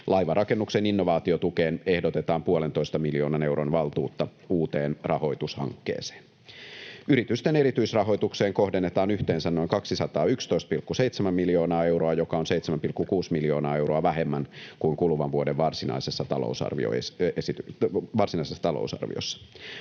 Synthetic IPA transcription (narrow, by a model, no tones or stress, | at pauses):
lʔɑjʋɑɾʔɑkenːukseninːo̞ʋɑːt̪iot̪ukeːnehdot̪et̪ɑːmpuole̞nt̪oist̪ɑmiljo̞ːnɑne̞uwɾʔonʋɑlˠt̪uːt̪ːɑ | uːt̪e̞ːnrʔɑho̞it̪ushɑ̰ŋkːḛːse̥ːn | yɾit̪yst̪eneɾit̪yisrɑɦo̞jt̪ukseːŋko̞hdenːet̪ɑːnyht̪eːnsænno̞iŋkɑksisɑt̪ɑːykst̪o̞ist̪̚pilkːuse̞jt̪semæmːilijo̞ːnɑːe̞wɾoɑjokɑonseit̪semæmpilkːukuːsmiljo̞ːnɑːe̞wɾoɑʋæɦemːænkuiŋkulʋɑnʋuodeʋʋɑrsinɑ̰isesːɑt̪ɑ̰lo̰usɑ̰rʋḭo̰ḛesit̪yʋɑrsinɑisesːɑt̪ɑlo̰usɑ̰rʋḭo̰sːɑ̥